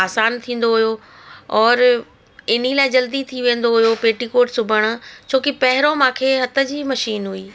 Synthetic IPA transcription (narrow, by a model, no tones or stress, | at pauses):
aːsaːnt̪ʰĩːn̆d̪oɦʊjo | ɔːɾ | ɪn̤ilaːɪd͡ʑɐld̪it̪ʰiʋẽːn̆d̪oɦʊjopeːʈikoːʈsʊbʱəɽ̃ʊ̆t͡ɕʰoːkipɐɦɪɾomãːkʰeːɦɐt̪ə̆d͡ʑiːmɐʃiːnɦuiː